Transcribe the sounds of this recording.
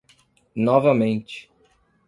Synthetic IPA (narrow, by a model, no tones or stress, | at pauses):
nɔvɐmẽnt͡ʃɪ̥